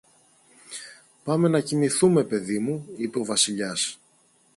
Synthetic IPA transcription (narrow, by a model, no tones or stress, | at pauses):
pɐme̞nɐciniθume̞pe̞ðimuipeo̞vɐsiʎɐs